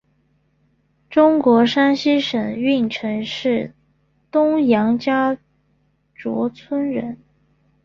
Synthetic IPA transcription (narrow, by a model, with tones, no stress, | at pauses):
ʈ͡ʂʊ˥ŋkwɔ˧˥ʂa˥nɕi˥ʂə˨˩ŋy˥˩nʈ͡ʂʰɤ˧˥ŋʂɻ̩˥˩ | t̪ʊ˥ŋjɑ˧˥ŋt͡ɕja˥ | ʈ͡ʂwɔ̰˧˥t͡sʰwə˥nɻə̰˧˥n